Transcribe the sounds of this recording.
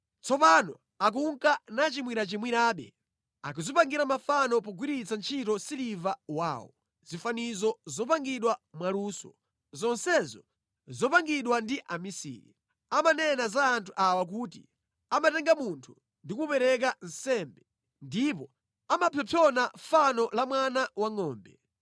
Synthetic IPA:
t͡sɔpanɔ̰ | ak̬uŋkanat͡ʃimwiɾat͡ʃimwiɾaːɓɛ̰ | a̰kuzipaŋɡiɾamafanɔpɔɡwiɾit͡sant͡ʃʰitɔsilivawa̰ːwɔ̰ | z̥ifanizɔzɔpaŋɡiɗwamwaluːsɔ̰ | zɔnsɛzɔ | zɔpaŋɡiɗwandiʔamisḭːɾḭ | amanɛnazaːntʰuʔawak̬utḭ | amatɛŋɡamuntʰu | ndikupɛɾɛk̬an̩sɛmbɛ | ndipɔ | amapʰɔpʰɔnafanɔlamwanawaŋɔːmbɛ

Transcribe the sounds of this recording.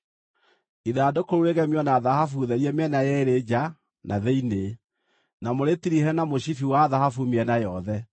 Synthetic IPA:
iðaːdokoɾuɾeɣɛmiɔnaðahafuðɛɾiɛmɛnajɛeɾed͡ʑa | nʔaðeine | namoɾetiɾihɛnamoɕifiwaðahafumɛnajɔðɛ

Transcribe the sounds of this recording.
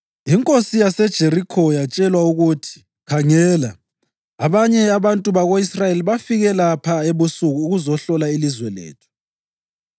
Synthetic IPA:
iŋkʼosijasɛd̥ʒ̥ʱeɾikʰɔjat͡ʃʼɛlwauɣutʰi̥ | kʰaŋɛla | aβaɲɛaβantʼuβaɣoisrajeliβafiɣɛlapʰaeβusuɣuːɣuzɔɬɔlailizwɛlḛːtʰu̥

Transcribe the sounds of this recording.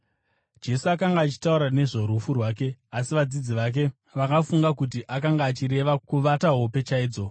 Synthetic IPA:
d͡ʒe̞suakaŋɡaːt͡ʃi̥tauɾane̞ʐo̞ɾufurwaːk̬e̞asiʋad͡zid͡ziʋak̬e̞ | ʋakafuŋɡakut̬iʔak̬aŋɡaːt͡ʃiɾe̞ʋakuʋataɦo̞pe̞t͡ʃaiːd͡zo̞

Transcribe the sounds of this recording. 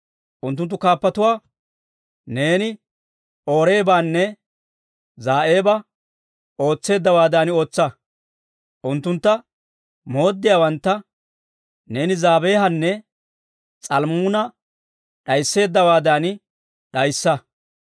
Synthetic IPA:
ʔʊnt̪ːʊnt̪ːʊkaːpːɐt̪ʊwaː | ne̞ːnɪ | o̞ːɾe̞ːbaːnːɛ | zaːʔeːbɐ | ʔo̞ːt͡sːe̞ːd̪ːɐwaːd̪aːnɪo̞ːt͡sːɐ | ʔʊnt̪ːʊnt̪ːɐ | mo̞ːd̪ːɪjaːwɐnt̪ːɐ | ne̞ːnɪzaːbeːɦɐnːɛ | t͡sʼɐlmuːnɐ | ɗɐjsːe̞ːd̪ːɐwaːd̪aːn | ɗɐjsːɐ

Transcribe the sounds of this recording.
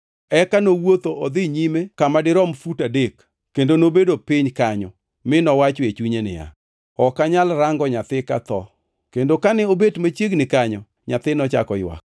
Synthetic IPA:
ɛkanowot̪oɔd̪ɪɲimekamadɪɾɔmfutadek | kendonobedopɪɲkaɲɔ | mɪnɔwat͡ʃet͡ʃuɲenɪ̰ja̰ | ɔkaɲalɾaŋɡɔɲat̪ɪka̰t̪ɔ̰ | kendokanɪobetmat͡ʃjeɡnɪkaɲɔ | ɲat̪ɪnɔt͡ʃa̰kɔ̰jwa̰k̚

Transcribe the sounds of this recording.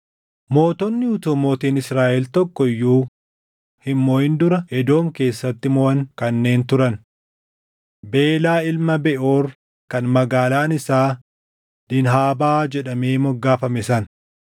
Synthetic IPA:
mo̞ːt̪ɔnːɪʊt̪umoːt̪iːnɪsɾaːʔɛlt̪ɔkːɔɪjːuː | hɪmːoːɪnd̪ʊɾɐʔɛd̪o̞ːmke̞ːsːɐt̪ːɪmɔɐŋkɐnːe̞ːnt̪ʊɾɐn | be̞ːlaːɪlmɐbɛʔoːɾ | kɐnmɐɡaːlaːnɪsaː | d̪̥ɪnɦaːbaːd͡ʒɛᶑɐmeːmɔɡːaːfɐmɛsɐn

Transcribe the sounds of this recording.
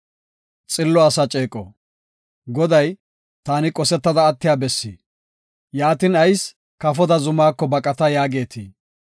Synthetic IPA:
t͡sʼɪlːɔɐsɐt͡ʃʼeːkʼɔ̰ | ɡɔd̪ɐj | t̪aːnɪkʼɔsɛt̪ːɐd̪ɐːt̪ːɪjaːbɛsːḭ | jaːt̪ɪnɐjs | kɐfɔd̪ɐzʊmaːkːɔbɐkʼɐt̪ɐjaːɡe̞ːt̪ʰi

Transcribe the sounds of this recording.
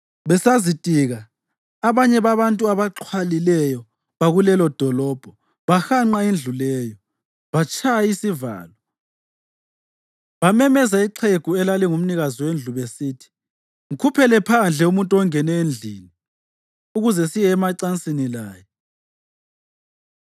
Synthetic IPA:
βɛsazitʼiɣaː | βaɲɛβaβantʼuaβaǁʰwalilɛjɔ | βaɣulɛlɔd̥ʱɔlɔːb̥ʱɔ | βaxaŋ͡ǃaend͡ɮʱulɛːjɔ | βat͡ʃʰʼajajisiva̰ːlɔ | βamɛmɛzaiǃʰeɡ̥ʱuɛlaliŋum̩niɣazɔwend͡ɮʱuβesiːtʰi̥ | ŋ̩kʰupʰɛlɛpʰand͡ɮʱɛumuntʼɔŋɛnɛend͡ɮʱiːni | uɣuzɛsijɛːmaǀant͡sʼinilaːjɛ

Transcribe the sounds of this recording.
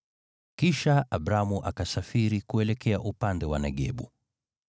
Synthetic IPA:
kiʃaaɓɾamuʔakasafiɾikuɛlɛkɛaʔupandɛwanɛɠɛ̰ɓṵ

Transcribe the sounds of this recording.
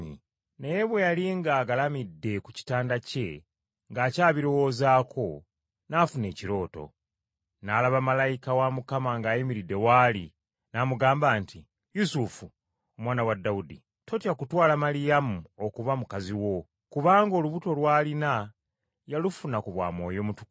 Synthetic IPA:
ḭ | nejeβwe̞jaliŋɡaːɡalamidːe̞kuci̥taːndace̞ | ŋɡaːcaːβiɾo̞wo̞zaːkʰo̞ | nafune̞ːciɾo̞ːto̞̰ | nalaβamalajikawamukamaŋɡaːjimiɾidːe̞wali | namuɡaːmbaːnti | jusufu | omwaːnawadːaudḭ | tʰo̞tjakutwaːlamalijamuokuβamukaziwo̞ | kuβaːŋɡo̞luβuto̞lwaːlina | jalufunakuβwa̰ːmo̞̰ːjo̞mutu̥k

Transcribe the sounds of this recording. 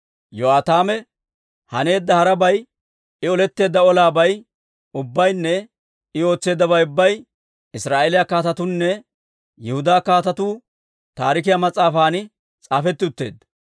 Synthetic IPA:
joaːt̪aːmɛ | hɐne̞ːd̪ːɐhɐɾɐbɐj | ɪɔlɛt̪ːe̞ːd̪ːɐɔlaːbɐj | ʊbːɐjnːɛ | ɪo̞ːt͡sːe̞ːd̪ːɐbɐjʊbːɐj | ɪsɾaːeːlɪjakaːt̪ɐt̪ʊnːɛ | jɛhʊd̪aːkaːt̪ɐt̪uː | t̪aːɾɪk̬ɪjamɐt͡sʼːaːfaːnɪ | t͡sʼaːfɛt̪ːɪʊt̪ːe̞̰ːd̪ːɐ

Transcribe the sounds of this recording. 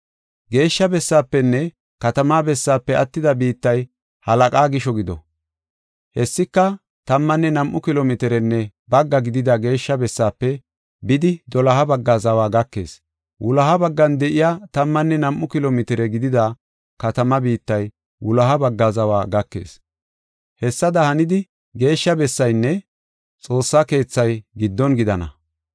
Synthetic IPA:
ɡe̞ːʃːɐbɛsːaːpːɛnːɛ | kɐt̪ɐmaːbɛsːaːpːɛʔɐt̪ːɪd̪ɐbiːt̪ːɐj | hɐlɐkʼaːɡɪʃɔɡɪd̪ɔ̰ | hɛsːɪkːɐ | t̪ɐmːɐnːɛnɐmʔʊkɪlomɪt̪ɪɾɛnːɛ | bɐɡːɐɡɪd̪ɪd̪ɐɡe̞ːʃːɐbɛsːaːpːɛ | bɪd̪ɪd̪ɔlɐɦɐbɐɡːaːzɐwaːɡɐkːe̞̰ːs | wʔʊlɐɦɐbɐɡːɐnd̪ɛʔɪjaːt̪ɐmːɐnːɛnɐmʔʊkɪloːmɪt̪ɪɾɛɡɪd̪ɪd̪a | kɐt̪ɐmɐbiːt̪ːɐj | wʊlɐɦɐbɐɡːazɐwaːɡɐkːe̞̰ːs | hɛsːɐd̪ɐhɐnɪd̪ɪ | ɡe̞ːʃːɐbɛsːɐjnːɛ | t͡sʼo̞ːsːɐke̞ːt͡sːɐjɡɪd̪ːɔnɡɪd̪ɐnɐ̰

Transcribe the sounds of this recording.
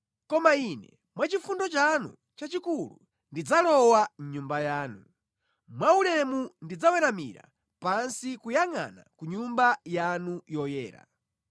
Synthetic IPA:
kɔmainɛ̰ | mwat͡ʃifundɔt͡ʃanṵ | t͡ʃat͡ʃikulṵ | ndid͡zalɔwaɲumbajaːnu | mwaulɛmundid͡zawɛɾamḭɾa̰ | pansikujaŋa̰na̰kuɲumbajanujɔjɛːɾa̰

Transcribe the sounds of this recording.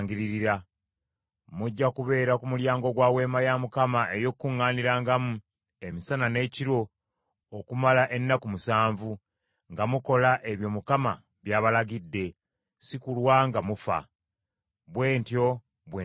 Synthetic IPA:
ŋɡiɾiɾiɾa | muɟːakuβe̞ːɾakumuljaːŋɡo̞ɡwaːwe̞ːmajamukamaʔe̞jo̞kːuŋːaːniɾaŋɡamu | e̞misanane̞ːciɾo̞ | okumalaʔe̞nːakumusaːɱvu | ŋɡamuko̞laʔe̞βjo̞mukama̰ | βjaːβalaɡidːe̞ | sikulwaŋɡamufa̰ | βwe̞ːntjo̞ | βwe

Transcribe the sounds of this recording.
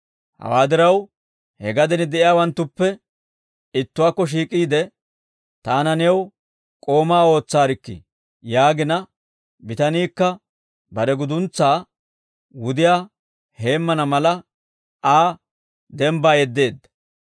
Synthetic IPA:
hɐ̰waːd̪ɪɾɐw | hɛɡɐd̪ɛnɪd̪ɛʔɪjaːwɐnt̪ːʊpːɛ | ɪt̪ːʊwaːkːɔʃ̬iːkʼːiːd̪ɛ | t̪aːnɐnɛw | kʼo̞ːmaːo̞ːt͡sːaːɾɪkːɪ̰ | jaːɡɪnɐ | bɪt̪ɐniːkːɐ | bɐɾɛɡʊd̪ʊnt͡sːaː | wʊd̪ɪjaː | he̞ːmːɐnɐmɐlɐ | aː | d̪ɛmbaːjɛd̪ːe̞ːd̪ːɐ̥

